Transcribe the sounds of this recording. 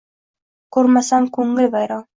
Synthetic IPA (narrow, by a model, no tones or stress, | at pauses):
kʉɾmæsɑŋkʉŋːɘlʲbɑjɾɑŋ